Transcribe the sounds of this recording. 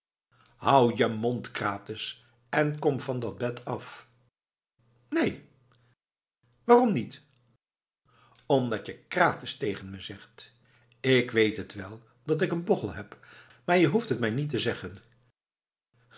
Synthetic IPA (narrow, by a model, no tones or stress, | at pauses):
hʌwjəmɔntkraːtɪs | ɛnkɔmvɑndɑd̚bɛtʰɑf | nej | ʋaːrɔmnit | ɔmdɑtjəkraːtɪstejχənməzɛχt | ɪkʋejtɦətʋɛlˠ | dɑtɪkənboχəlˠɦɛp | maːɹjəɦuftɦətmɛjnitəzɛχən